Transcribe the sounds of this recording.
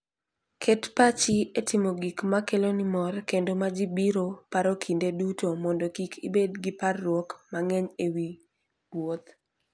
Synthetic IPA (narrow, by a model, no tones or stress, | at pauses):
kʰɛtpat͡ʃietɪmoɡikmakelonimɔrkendomad͡ʒibiɾopaɾokʰindedutomɔndokikʰḭbedɡiparːwɔkmaŋɛɲewi | wot̪